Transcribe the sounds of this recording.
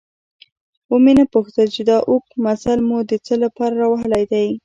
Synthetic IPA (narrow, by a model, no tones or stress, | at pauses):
womenəpuxt̪əlt͡ʃed̪ɑʔuk̚masalmud̪ət͡səlapɑɾaɾɑwaɦəlajd̪aj